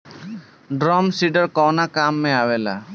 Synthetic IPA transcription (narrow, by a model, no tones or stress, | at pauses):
ɖɾɔmsiɖɔɹkɔwnakamːɛawɛla̰